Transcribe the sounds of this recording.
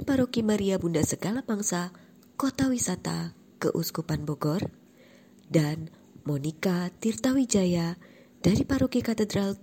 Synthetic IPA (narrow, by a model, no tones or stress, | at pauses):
paɾokimaɾiabundasəɡalabaŋsa | kot̪awisat̪a̰ | kə̰ʔṵskupanbɔɡɔr | dan | mɔnikat̪irt̪awid͡ʒaja | d̥aɾipaɾokikat̪ədɾal